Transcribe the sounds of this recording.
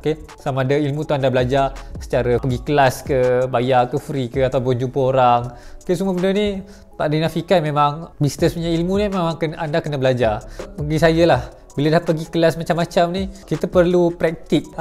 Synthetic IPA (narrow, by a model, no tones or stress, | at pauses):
oke | samaːdəilmũt̪uandabəlad͡ʒasə̥t͡ʃaɾapəɡikəlaskəbajakəfɾikəat̪apʊnd͡ʒupəoɾaŋkesuməbəndəni | t̪aʔdinafikat̪̚memaŋbisnəspuɲailmunimemaŋkənʔandakənəbəlad͡ʒaməɡisajəlah | bilədahpəɡikəlasmat͡ʃamːat͡ʃamnikit̪əpərlupɾɛk̚t̪ik̚